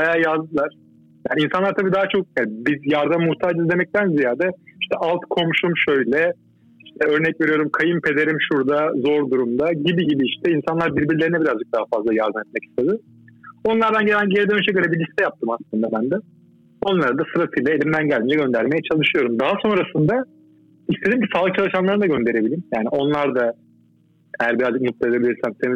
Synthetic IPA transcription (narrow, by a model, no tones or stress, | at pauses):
bajaːjazd̪ɯlˠaɾ̥ | jaːninsanˠaɾt̪ʰabiːd̪aɦat͡ʃʰo̞k̚jælʲbizjaɾd̪ammuht̪ʰaːd͡ʒizd̪emɛc̚t̪ʰænzijaːd̪ɛiʃt̪ʰɛʔalˠt̪kʰo̞mʃumʃø̞jlʲɛ | iʃt̪ʰɛø̞ɾnɛcve̞ɾijo̞ɾumkʰajɯmpʰe̞d̪e̞ɾimʃuɾd̪azo̞ɾd̪uɾumd̪aɟibiɟibiiʃt̪ʰɛinsanlˠaɾbiɾbiɾlʲeinɛbiɾazd͡ʒɯk̚d̪aɦafazlˠajaɾd̪ɯmet̪̚mɛci̥st̪ʰe̞d̪ɯ | o̞nlˠaɾd̪anɟe̞lʲænɟeɾid̪ønʃʰeɟøɾʲebilʲist̪ʰɛjap̚t̪ʰɯmaslˠɯnd̪abænd̪ɛ | o̞nlˠaɾad̪asɯɾat̪ʰɯjlˠae̞lʲimd̪ænɟælʲind͡ʒɛɟø̞nd̪æɾmejɛt͡ʃʰalˠɯʃɯyjo̞ɾumd̪aɦaso̞nɾasɯnd̪a | ist̪eimcʰisaːlˠɯk̚t͡ʃʰalˠɯʃanlˠaɾɯnd̪aɡɟø̞nd̪e̞ɾe̞bilʲiimjaːniʔo̞nlˠaɾd̪a | ejæɾbiɾazd͡ʒɯk̚mut̪̚ˠed̪ʲebilʲiɾsæmsemi